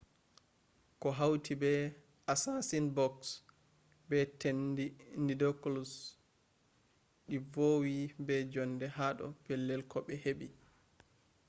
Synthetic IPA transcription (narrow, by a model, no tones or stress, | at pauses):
kɔɦawtʰibɛ | asasinbɔks | bɛtendindidɔklus | ɗivoːwibɛd͡ʒɔndɛhaɗɔ̰pɛlːɛlkɔɓɛheɓi